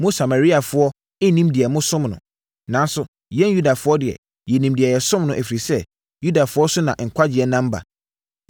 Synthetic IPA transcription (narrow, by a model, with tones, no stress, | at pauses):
mʊ̃˦sa˨ma˨ɾi˦a˨fʊ˦ɔ˦ | ɪ˦nĩ˦mdɪ˨ɛ˨mʊ̃˦sʊ̃˦mnʊ̰̃˨ | nã˨˦n˦sʊ˦ | jɛ̃˦nju˦da˨fʊ˦ɔ˦dɪ˨ɛ̰˨ | jɛ˨nĩ˨mdɪ˨ɛ˨jɛ˨sʊ̃˦mnʊ̃˨ʔæ˨fi˨ɾi˨sɛ˦ | ju˦da˨fʊ˦ɔ˦sʊ˦nã̰˨ŋ̩˨kʷʰa˦d͡ʑɪ˨ɛ˨nã˦m̩˦ba̰˨